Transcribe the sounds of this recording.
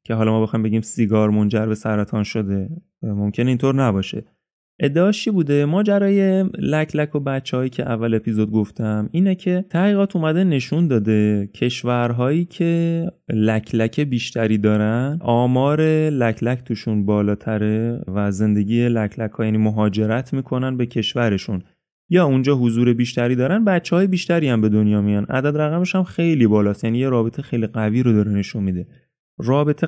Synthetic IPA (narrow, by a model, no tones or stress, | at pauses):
cʰeɦɒlɒmɒːbe̞xɒːjimbe̞ɡiːmsiɡɒːɾmo̞nd͡ʒæɾbe̞sæɾæt̪ʰɒnʃo̞d̪e̞ | mo̞mcʲʰe̞neint̪ʰoːɾnæbɒːʃe̞̰ | ʔe̞d̪ːeɒːt͡ʃʰibuːd̪e̞mɒːd͡ʒæɾɒːje̞læcʰlækʰo̞bæt̪t͡ʃːehɒːjiːcʰeʔævːæle̞pʰizod̪̚ɡo̞ft̪æmiːnecʰe̞t̪ʰæɣiːɣɒːt̪umæd̪e̞ne̞ʃund̪ɒːd̪e̞cʰe̞ʃvæɾɦɒːjiːcʰe̞læcʰlæcʰe̞biːʃt̪ʰæɾiːd̪ɒːɾænʔɒːmɒːɾe̞læcʰlæcʰt̪ʰuːʃunbɒːlɒːt̪ʰæɾe̞væze̞nd̪e̞ɟiːelæcʰlækʰhɒːjæːniːmoɦɒːd͡ʒe̞ɾæt̪ʰmiːkʰo̞nænbe̞cʰe̞ʃvæɾe̞ʃun | jɒːund͡ʒɒːɦozuːɾe̞biːʃt̪æɾiːd̪ɒːɾænbæt̪t͡ʃʰːehɒːje̞biːʃt̪æɾiːæmbe̞d̪o̞njɒːmijɒnʔæ̰d̪æd̪ɾæɣæmeʃhæmxe̞jliːbɒːlɒːst̪jæniːjeɾɒːbe̞t̪ʰexe̞jliɣæviːɾod̪ɒːɾene̞ʃunmid̪e̞ | rɒːbe̞t̪ʰe